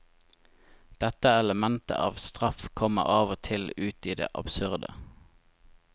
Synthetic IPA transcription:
d̪̥ɛt̪əɛləmɛnt̪ə̰ʔɑːʋst̪ʁɑfkʰɔmə̰ɑːʋɔt̪ʰɪlʉːt̪iːd̪ḛːʔɑbsʉʁd̪ə̰

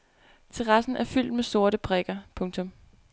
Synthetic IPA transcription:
t͡sʰe̝ʁɑ̈sn̩ʔæɐfyl̰d̥meso̝ɐ̰ɾəpʰʁɛɡ̥ɐpʰɔ̽ŋt͡sʰɔ̽m

